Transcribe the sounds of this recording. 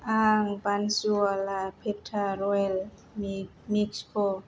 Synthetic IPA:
aŋbansualapʰep̚tʰaɾɔl | mikskʰo

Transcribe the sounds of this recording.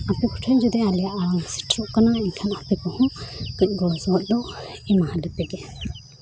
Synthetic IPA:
apɛkʰɔ̥ʈʰəɲd͡ʒud̪ɛalijaʔaɾaŋsi̥ʈʰɾɔʔkanaiɲkʰanapɛkɔhɔ̃kɯc̚ˀɡɔsɔɔt̚ˀlɔʔimahalɛp̪ɛɡɛ

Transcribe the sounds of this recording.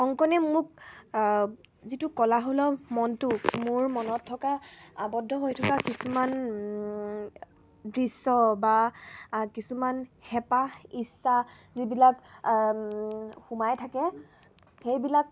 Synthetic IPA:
xɔŋkɔnɛmʊk̚ | zitukɔlaɦolɔmɔntumʊɹmɔnɔtʰːɔkaabɔdʱːɔɦojtʰɔkakisuman | dɹisːɔba | kisumanhɛpaisːa | zibilak | xumajtʰakɛ | xejbilak̚

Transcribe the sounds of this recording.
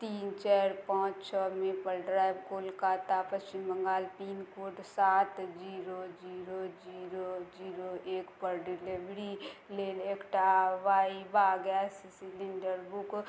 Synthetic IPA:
t̪iːnt͡ʃɛːɾpɔ̃ːt͡ʃt͡ʃʰɔmẽpəɾɖɾaːjbkoːlkat̪apət͡ʃɪmbəŋɡaːlt̪iːnkoːʈsaːt̪d͡ʒiːɾod͡ʒiːɾod͡ʒiːɾod͡ʒiːɾoeːkpəɾɖɪlebɾileːleːkʈaʋaːibaɡjasisiliɳɖəɾbuk

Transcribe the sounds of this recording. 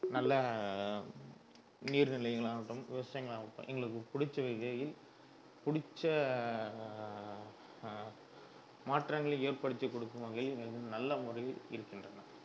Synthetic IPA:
nɐlːɐ | niːɾnɪlɐɪɣɐɭaːɣɐʈːɯmʋɪʋɐsaːjɐŋɡɐɭaːʋɯʈːɐ̰̃ʔɛ̰ŋɡɐɭɯk̬ːɯpʊɽɪt͡ʃːɐʋɐɪɣɐjɪl | pʊɽɪt͡ʃːɐ | maːʈrɐŋɡɐɭɯeːɾpɐɽɯt̪ːɯkːɔɽɯkːɯmɐɣɐlɛŋɡɐɭɯkːɯnɐlːɐmʊrɐlɪ̰ɾɯkːɪndrɐnɐ

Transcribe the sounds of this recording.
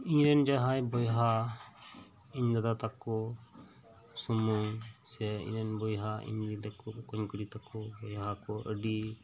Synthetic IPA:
iɲɾɛnd͡ʒaɦajbɔjɦa | iɲd̪ad̪at̪akːɔ | sɔmuŋsɛḭ̃ɾɛnbɔjɦaʔḭɲdid̪akɔkɔɲkɔɽit̪akɔbɔjɦakɔʔə̰ɖi

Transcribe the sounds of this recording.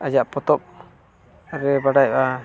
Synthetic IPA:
ad͡ʒaʔpɔt̪ɔp̚ | ɾɛbaɖaja

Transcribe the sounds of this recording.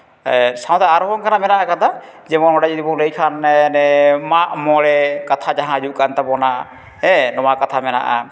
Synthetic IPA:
saw̃t̪aaɾɔɦɔŋkʰanamɛnaʔakant̪ʰa | d͡ʒɛmɔnɔɖad͡ʒid̪ibɔŋləjkʰannɛmaʔmɔɽɛkat̪ʰad͡ʒaɦãd͡ʒuʔkant̪abɔnaʔ | ɛnɔwakat̪ʰamɛna̰ʔa̰

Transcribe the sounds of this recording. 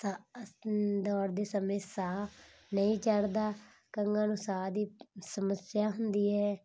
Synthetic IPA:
t̪ãː | d̪ɔːɾd̪eːsəmẽːsaː | nəĩːt͡ʃəɽd̪aː | kəŋɡãːnũːsaːd̪iːsəməsɪjaːɦʊnd̪iːɦɛː

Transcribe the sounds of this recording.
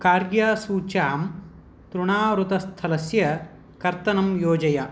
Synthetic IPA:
kaːɾɡjaːsuːt͡ʃaːm | t̪ɾuɳaːɾut̪ɐst̪ʰɐlɐsjɐ | kɐɾt̪ɐnɐmjoːd͡ʒɐja

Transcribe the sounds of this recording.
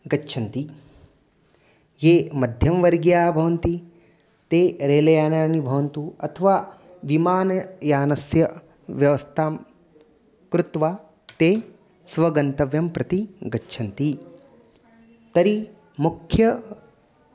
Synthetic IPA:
ɡɐtːʃʰɐnt̪i | jeːmɐd̪ʱjɐmʋɐɾɡjaːbʱɐʋɐnt̪i | t̪eːɾeːlɐjaːnaːnibʱɐʋɐnt̪uɐt̪ʰɐʋaː | ʋimaːnɐjaːnɐsjɐ | ʋjɐʋɐst̪ʰaːm | kɾut̪ʋaː | t̪eː | sʋɐɡɐnt̪ɐʋjɐmpɾɐt̪iɡɐtːʃʰɐnt̪i | t̪ɐɾi | mukʰjɐ

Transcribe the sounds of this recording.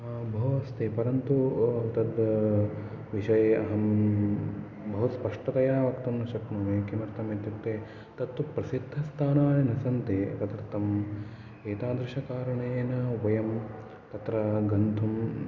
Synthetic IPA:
bʱɐɦɐst̪eːpɐɾɐnt̪ut̪ɐd̪ | ʋiʃɐjeɐɦɐm | bɐɦɐspɐʂʈɐt̪ɐjaːʋɐkt̪ɐmnɐʃɐknɐːmeːkimɐɾt̪ɐmeːt̪jɐtt̪ːeː | t̪ɐt̪ːupɾɐsid̪ʱːɐst̪ʰaːnaːnɐnɐsɐnt̪eːk̪ɐd̪ɐɾt̪ɐm | eːt̪aːd̪ɾɪʃɐkaːɾɐɳeeːnɐʋɐjɐm | t̪ɐt̪ɾɐɡɐnd̪ʱum

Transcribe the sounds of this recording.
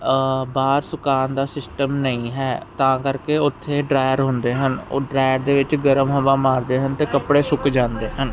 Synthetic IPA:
baːɾsʊkaːnd̪aːsɪsʈəmnəĩːɦɛːt̪ãːkəɾkeːʊt̪ʰːeːɖɾaːjəɾɦʊ̃nd̪eːɦəno̰ːɖɾaːjəɾd̪eːʋɪt͡ʃɡəɾəmɦəʋãːmaːɾd̪eːɦənt̪eːkəpɽeːsʊkd͡ʒãːnd̪eːɦən

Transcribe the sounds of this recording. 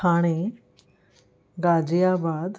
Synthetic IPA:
aɽ̃e | ɡad͡ʑjabad̪

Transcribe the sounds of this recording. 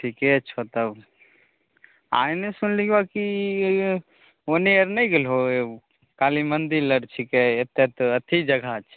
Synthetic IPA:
ʈʰikɛt͡ʃʰot̪əb | a̰ːĩnesʊnlikbaki | oneəɾnəĩɡelɦoe | kaːlimənd̪iləɽt͡ʃʰikɛet̪et̪ət̪ʰid͡ʒɐɡʱat͡ʃʰ

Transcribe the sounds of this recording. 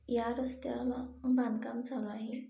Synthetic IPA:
jaɾəst̪jalabʱãnkamd͡zalaɦi

